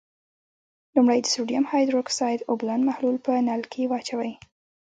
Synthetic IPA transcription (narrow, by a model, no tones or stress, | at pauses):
lumɽajd̪əsuɖijamhɑjd̪ɾoksɑjd̪oblɑnmahlulpənalkʰewɑt͡ʃawəj